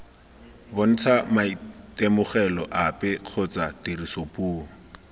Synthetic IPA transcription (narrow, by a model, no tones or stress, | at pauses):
bʊn̩t͡sʰamaitemʊχɛlɔʔapɛq͡χʰɔt͡satirisopuːŋ̩